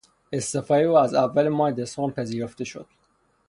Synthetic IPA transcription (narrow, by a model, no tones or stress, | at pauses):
est̪efæɾeoæzævːælemɒːed̪esɔːnpʰeziːɾoft̪eʃo̰d̪̥̚